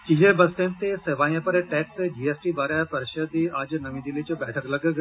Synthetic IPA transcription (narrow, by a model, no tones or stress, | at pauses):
kiɦebəst̪ẽnt̪eeʋajẽpəɾeʈɛksed͡ʑiesʈibaɾjapəɾʃəd̪iad͡ʑnəʋĩd̪ilet͡ɕibɛʈʰəkləɡəɡ